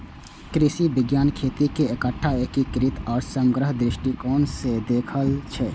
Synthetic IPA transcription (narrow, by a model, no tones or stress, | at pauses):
kɾisibɪɡjaːnkʰet̪ikeekəʈʰːaekikɾit̪ɔːɾsə̃ŋɡɾəɦd̪ɾɪʃʈikɔːnsed̪ekʰəlt͡ʃʰɛ